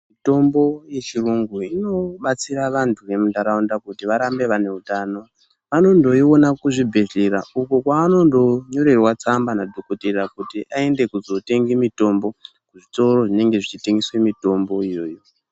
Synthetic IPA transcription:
mito̞mbo̞je̞t͡ʃiruŋɡuino̞ɓat͡siɾaʋantʰuʋe̞mundaɾaundakutiʋaɾambe̞ʋane̞utaːno̞ | ʋano̞ndo̞io̞nakuʐibʱe̞ɮeɾaukokwaːno̞ndo̞ɲo̞ɾe̞rwat͡sambanadʱokoterakutiʔae̞nde̞kuzo̞te̞ŋɡimito̞mbo̞ | kuʐito̞ɾo̞ʐine̞ŋɡe̞ʐit͡ʃiteŋɡiswe̞mito̞mbo̞ijo̞̰ːjo̞

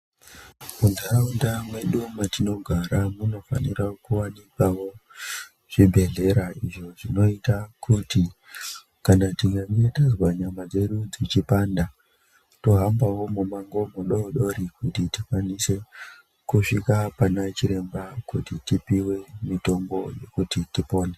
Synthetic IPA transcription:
munzaraundamwe̞ɗumatino̞ɡʱaɾamuno̞fa̰niɾakuwanikawo̞ | ʐ̥ibʱe̞ɮe̞ɾaiʐo̞ʐino̞itakʰuti | kanatiŋɡandetazwaɲamad͡ze̞ɗud͡zit͡ʃipanda | toɦambawo̞mumaŋɡo̞moɗoɗo̞ɾikutitifwanise̞ | kuʂikapanat͡ʃiɾe̞mbakutitipiwe̞mito̞mɡo̞je̞̰kutitipo̞ːne

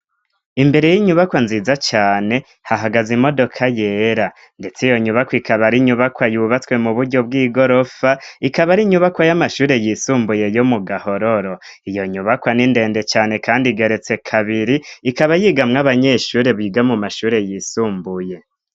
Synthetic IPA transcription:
imbe̞ɾe̞jiɲuβakwanziːzat͡ʃaːne̞ | haɦaɡazimo̞do̞kʰajeɾa | nde̞t͡sijo̞ɲuβakwikʰaβaɾiɲuβakwajuːβat͡swe̞muβuɾɟo̞b̚ɡiːɡo̞ɾo̞faikaβaɾiɲuβakwajamaʃuːɾe̞jisuːmbuje̞jomuɡaho̞ɾo̞ɾo | ijo̞ɲuβakwaninde̞ːnde̞t͡ʃaːne̞kaːndiɡe̞ɾe̞t͡se̞kʰaβiɾiːkaβajiɡamŋaβaɲe̞ʃuːɾe̞βiːɡamumaʃuːɾe̞jisuːmbuje̞

